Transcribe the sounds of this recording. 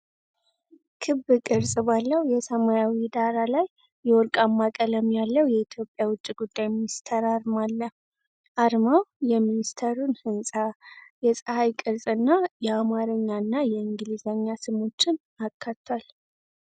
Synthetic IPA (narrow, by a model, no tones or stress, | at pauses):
kʰɨβːɨkʼɨɾsʼbalːəwjɛsəmajawid̪aɾalajː | ɛwɔɾkʼamːakʼələmjalːəwjɛit̪ʰjo̞pʼjawʊt͡ʃʼːiɡud̪ːajminist̪ʰəɾaɾmalːə | ʔaɾmawjɛminist̪ʰeɾunhɨnsʼajɛsʼɨhajkʼɨɾsʼɨnːajɛamaɾɨɲːanːajɛɨŋɡɨlizaɲːasɨmo̞t͡ʃːɪn | akʰːat̪ʰːal